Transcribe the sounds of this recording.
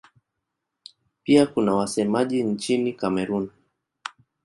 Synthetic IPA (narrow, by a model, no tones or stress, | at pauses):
piakunawasɛmaʄint͡ʃinikamɛɾun